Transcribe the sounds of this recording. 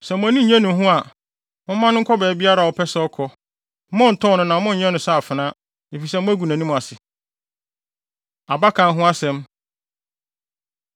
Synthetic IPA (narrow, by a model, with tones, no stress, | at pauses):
sɛ˨mʊ̃˨æ˦nĩ˦˨ɲɛ̃˦nʊ̃˨˦ɦʊ̃˦a˨ | mʊ̃˦mã˦nʊ̃˦ŋ̩˦kʰɔ˦bɛː˨bi˦a˦ɾa˨wɔ˨pʰɛ˦sɛ˦ɔ˦kʰɔ˦ | mʊ̃˦n̩˨tʰɔ̃˦˨nʊ̃˦nã˨˦mʊ̃˦˨ɲɛ̃˦nʊ̃˨sa˦˨fɪ˨nã˦ | e˨fi˨sɛ˦mʊ̃˦æ˦ɡu˨nã˨nĩ˦m̃˨a˨sɪ˨ | a˨ba˦kʰã˨n˦ɦʊ̃˦a˦sɛ̃˨m